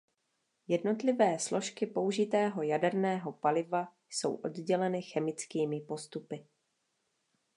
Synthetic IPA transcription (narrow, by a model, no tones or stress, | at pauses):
jɛdno̞t̪lɪvɛːslo̞ʃkɪpo̞uʒɪt̪ɛːɦo̞jadɛɾnɛːɦo̞palɪvajso̞̰wʔo̞̰dɟɛlɛnɪxɛmɪt͡skiːmɪpo̞st̪upɪ